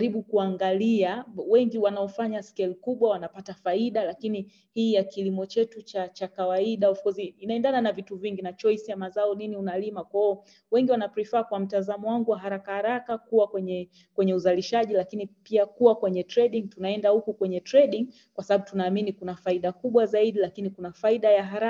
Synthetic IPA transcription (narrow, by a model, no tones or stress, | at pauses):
ɾiɓukuaŋɡaliawɛŋɡiwanaɔfaɲaskɛlkuɓwawanapatafaiɗalakini | hiːjakilimɔt͡ʃɛtut͡ʃat͡ʃakawaiɗaufkɔziinaɛndananavituviŋɡinat͡ʃɔjsjamazaɔniniunalimakwaɔ | wɛŋɡiwanapɾifaːkwam̩tazamɔwaŋɡuwaɦaɾakahaɾakakuwakwɛɲɛ | kwɛɲɛuzaliʃaʄilakinipiakuwakwɛɲɛtɾɛɗiŋtunaɛndahukukwɛɲɛtɾɛɗiŋ | kwasaɓaɓutunaːminikunafaiɗakuɓwazaiɗilakinikunafaiɗajaɦaɾa